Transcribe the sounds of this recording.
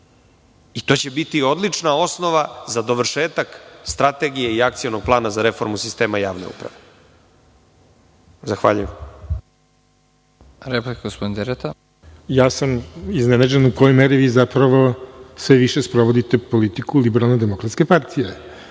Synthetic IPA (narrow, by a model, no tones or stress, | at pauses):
it̪o̞ːt͡ɕe̞bit̪io̞d̪lit͡ʂnao̞sno̞ʋazad̪oʋr̩ʃeːt̪akst̪ɾat̪eɡijeiakt̪sijono̞ɡ̚plˠaːnazaɾefo̞ɾmusist̪e̞ːmajaːʋne̞̰ṵpɾa̰ʋe | zaxʋa̰ːʎujem | ɾeplekɡospod̪ind̪eɾet̪a | jaːsamiznenad͡ʑenukojojmeɾiʋiːzapɾaʋosʋeʋiʃespɾoʋod̪it̪epolit̪ikulibeɾalˠned̪emokɾat̪skepaɾt̪ʰije